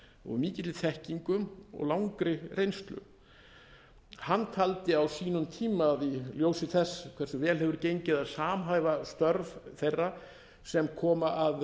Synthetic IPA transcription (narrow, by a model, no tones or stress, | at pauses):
ɔ̰ɣmiːcɪt̪ɪθɛhciŋkʏmɔ̰ɣlawŋkɾɪrejnst̪lʏ̰ | hanːt̪ʰalt̪ɪawsiːnʏmt̪ʰiːmaðiljoːwsɪθɛsːkʰv̥ɛɾsʏvɛːlɦɛvʏɾcejɲcɪðaðsaːmɦajvast̪œɾvθejrːa | sɛmkʰɔːmaʔað